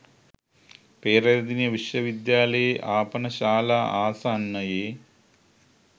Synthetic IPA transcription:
peːɾɐjɐd̪injɐʋiʂjɐʋid̪jaːlɐjeʔaːpɐnɐɕaːlaːʔaːsaːnːɐjeː

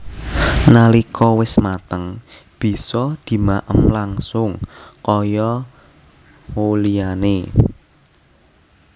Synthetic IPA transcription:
nalikʰɔwɪsmat̪əŋ | b̥i̤sɔd̪̥i̤maʔəmlaŋsʊŋkɔjɔ | holiane

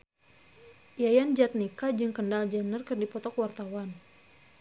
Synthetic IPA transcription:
ʔijajand͡ʒat̪̚nikad͡ʒɨŋkəndald͡ʒanərkərdipɔt̪ɔkwart̪awan

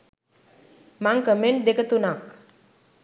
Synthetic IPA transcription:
maŋkəmeɳʈ̚d̪ekət̪unak

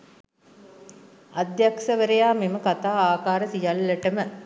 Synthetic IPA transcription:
ad̪jakʂɐʋəɾejaːmeməkat̪aːaːkaːɾəsijalːɐʈəmə

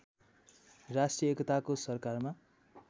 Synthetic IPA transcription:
rasʈijʌekʌt̪akosʌrkarma

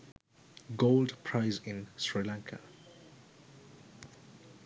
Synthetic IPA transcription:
ɡoʊlˠdpʰɹ̥aɪzɪ̃nsɹilãŋkʰə̰

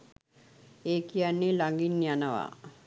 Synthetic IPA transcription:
eːkijanːelaŋɡinːjanəʋa̰

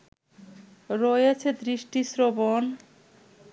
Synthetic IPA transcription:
ɾojet͡ɕʰed̪ɾiʃʈisɾobon

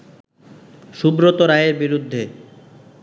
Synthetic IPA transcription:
ʃubɾot̪oɾaeɾbiɾud̪ʱːe

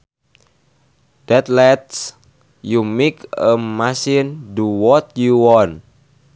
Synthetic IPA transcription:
d̥ɛt̪lɛt̪s | jumikəmasinduwɔt̪̚juwɔn

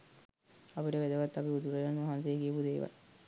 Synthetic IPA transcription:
apiʈəʋæd̪əʋat̪ːapiud̪uɾelanʋaɦansejekiəpud̪eːʋa̰l

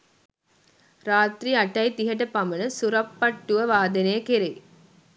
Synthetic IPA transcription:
raːt̪ɾiaʈɐjt̪iɦɐʈ̬ɐpamənəsuɾɐpːɐʈːuʋəʋaːd̪enejəkeɾe

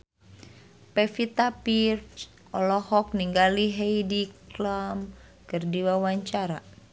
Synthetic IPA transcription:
pɛfit̪apirt͡ʃ | ʔɔlɔhɔk̚niŋɡaliɦejdiklam | kɨrdiwawaɲt͡ʃaɾa

